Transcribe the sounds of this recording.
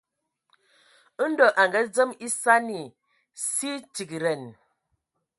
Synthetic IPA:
n̩˦do˨ʔa˨ŋɡə˦d͡zə˦mi˦sa˦ni˨ | si˦ti˨ki˨ɾə˨n

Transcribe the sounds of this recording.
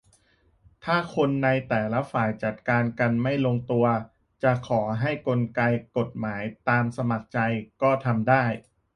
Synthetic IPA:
t̪ʰaː˥˩kʰo˧nːa˧jt̪ɛː˨˩la˦˥faː˨˩jt͡ɕa˨˩t̪̚kaː˧nka˧nma˥˩jlo˧ŋt̪u˧ɐ | t͡ɕa˨˩kʰɔː˩˦ɦa˥˩jko˧nka˧jko˨˩t̪̚maː˩˦jt̪aː˧msa˧ma˨˩k̚t͡ɕa˧jkɔː˥˩t̪ʰa˧mdaː˥˩j

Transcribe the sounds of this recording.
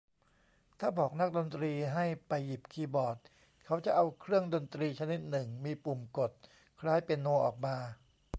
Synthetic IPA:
t̪ʰaː˥˩bɔː˨˩k̚na˦˥k̚do˧nt̪ɾiː˧ɦa˥˩jpa˧jːi˨˩p̚kʰiː˧bɔː˨˩t̪̚ | kʰa˦˥wt͡ɕa˨˩ʔa˧wkʰɾɯ˥˩əŋdo˧nt̪ɾiː˧t͡ɕʰa˧ni˦˥t̪̚nɯ˨˩ŋmiː˧pu˨˩mko˨˩t̪̚ | kʰɾaː˦˥˩jpe˧nːu˧ʔɔː˨˩k̚maː˧

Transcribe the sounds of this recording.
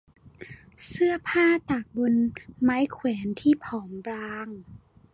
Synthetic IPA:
sɯ˥˩ɐpʰaː˥˩t̪aː˨˩k̚bo˧nmaː˦˥jkʰwɛː˩˦nt̪ʰiː˥˩pʰɔː˩˦mbɾaː˧ŋ

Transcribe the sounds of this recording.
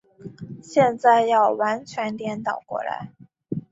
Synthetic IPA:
ɕjɛ˥˧nt͡sa˥˧ɪjɑ˥˩ʊwa˧˥nt͡ɕʰɥɛ˧˥nt̪jɛ˧˥nt̪ɑ˨˩ʊkwɔ̰˥˩la̰˧˥ɪ

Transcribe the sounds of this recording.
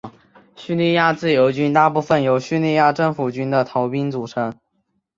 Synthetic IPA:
ɕy˥˧li˥˧ja˥˧t͡sɹ̩˥˩jo˧˥ʊt͡ɕy˥nt̪a˥˧pu˥˩fə˨˩njo˧˥ʊɕy˥˧li˥˧ja˥˧ʈ͡ʂɤ˥˩ŋfu˨˩t͡ɕy˥nd̪ə˨t̪ʰɑ˧˥ʊpi˥nt͡su˨˩ʈ͡ʂʰɤ˧˥ŋ

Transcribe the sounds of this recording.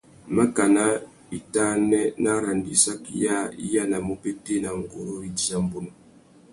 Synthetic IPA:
ma˦ka˨na˦ | i˨ta˦nɛ˦na˦ɾa˨ndi˨sa˦ki˦ja˦ḭ˦ja˦na˨mo˦pe˦te˦na˨ŋ̩˨ɡo˨ɾo˦ɾi˦di˦a˦m˦bo˦no˨

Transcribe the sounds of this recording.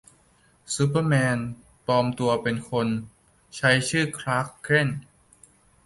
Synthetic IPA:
su˦˥pːə˥˩mɛː˧n | pɔː˧mt̪u˧ɐpe˧nkʰo˧n | t͡ɕʰa˦˥jt͡ɕʰɯː˥˩kʰɾaː˦˥kʰːɾe˥˩n

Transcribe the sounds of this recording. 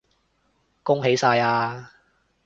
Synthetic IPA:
kʊ˥ŋɦe˨˥jsaː˧jaː˧

